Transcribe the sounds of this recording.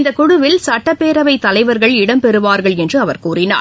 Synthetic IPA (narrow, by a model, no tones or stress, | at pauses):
nd̪ɐkʊɽʊʋɪlsɐʈːɐpːeːɾɐʋɐɪt̪ːɐlɐɪʋɐɾɣɐɭɪɽɐmpɛɾɯʋaːɾɣɐɭɛndrɯɐʋɐɾkuːrɪna̰ːɾ